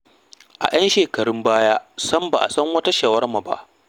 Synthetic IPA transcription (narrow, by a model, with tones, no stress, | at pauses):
ʔa̰˨j̰ɐ˦nʃeː˨kɐ˨ɽʊ˦mbaː˦jaː˦sɐ˦mba˨ʔa̰˨sɐ˦ŋwɐ˦ta˦ʃaː˨wɐ˦rma˨ba̰˦ʔ